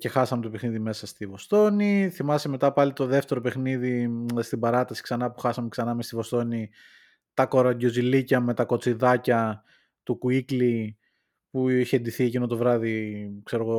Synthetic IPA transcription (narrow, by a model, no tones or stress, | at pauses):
ce̞xɐsɐmet̪o̞pexniðime̞sɐst̪ivo̞st̪o̞niθimɐseme̞t̪ɐpɐlit̪o̞ðe̞ft̪e̞ɾo̞pe̞xniðist̪ibɐɾɐst̪ɐsi̥ksɐnɐpuxɐsɐmeksɐnɐmest̪ivo̞st̪o̞ni | t̪ɐko̞ɾɐɟo̞zilicɐme̞t̪ɐko̞t͡siðɐcɐ | t̪ukuikli | puiçend̪iθiecino̞t̪o̞vɾɐðikse̞ɾo̞ɣo̞